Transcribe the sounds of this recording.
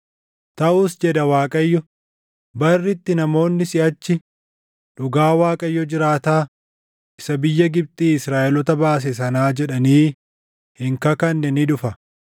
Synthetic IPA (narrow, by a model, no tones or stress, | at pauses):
t̪ɐʔuːsd͡ʒɛd̪ɐwaːkʼɐjːɔ | bɐrːɪt̪ːɪnɐmo̞ːnːɪsɪʔɐt͡ʃːɪ | ᶑʊɡaːwaːkʼɐjːɔd͡ʒɪɾaːt̪aː | ʔɪsɐbɪjːɐɡɪb̚t̪ʼiːɪsɾaːʔɛlɔt̪ɐbaːs̬ɛs̬ɐnaːd͡ʒɛᶑɐniː | hɪŋkɐkɐnːɛnɪᶑʊfɐ